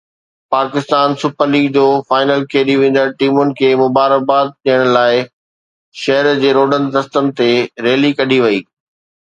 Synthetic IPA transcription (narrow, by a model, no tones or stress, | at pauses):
paːkɪst̪aːnsʊpʰəliːɡd͡ʑoːfaːɪnəlkʰeːɗiʋẽːn̆d̪əɾʈiːmʊnɪ̆kʰeːmʊbaːɾək̚baːt̪̚ɗijəɽ̃laːɪ | ʃɐɦəɾd͡ʑeːɾoːɖənɪ̆d̪ɐst̪ənɪ̆t̪eɾeːlikɐɖʱiʋɐiː